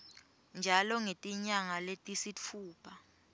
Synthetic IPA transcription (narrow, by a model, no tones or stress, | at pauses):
nd͡ʒʱalɔŋetʼiɲaŋaletʼisit͡fʰuːpʰa